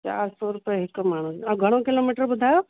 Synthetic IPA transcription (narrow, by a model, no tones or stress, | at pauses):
t͡ʃa̰ːɾsɔɾupəjɦɪkːmaːɳ̤usɐɡʱɐɽ̃okiloːmiʈəɾbʊd̪ʱaːjo